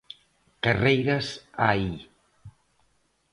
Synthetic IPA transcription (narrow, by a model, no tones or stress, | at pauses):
karejɾasai